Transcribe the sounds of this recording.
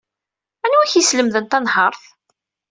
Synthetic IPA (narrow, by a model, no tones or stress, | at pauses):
ænwæçisləmðənt̪ænhɑɾˤθ